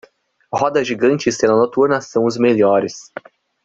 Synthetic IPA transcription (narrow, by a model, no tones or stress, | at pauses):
hɔd̪ɐʒiɡɐ̃nt͡ʃɪsẽnɐnot̪uɾnɐsɐ̃w̃ʊzmeʎɔɾɪs